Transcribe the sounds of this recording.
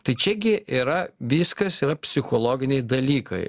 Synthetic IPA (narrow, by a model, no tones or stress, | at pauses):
t̪ɐɪt͡ʃʲɛɡʲɪʔiːɾɐʋʲiːskɐsiːɾɐpʲsʲɪxoːlˠoːɡʲɪnʲɛɪd̪ɐlʲiːkɐ̰ɪ